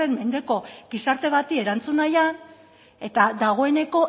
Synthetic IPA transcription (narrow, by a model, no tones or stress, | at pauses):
e̞mme̞nd̪e̞ko̞ɡisaɾt̪e̞βat̪ie̞ɾant͡sunajan | e̞t̪ad̪aɣ̞o̞e̞ne̞ko̞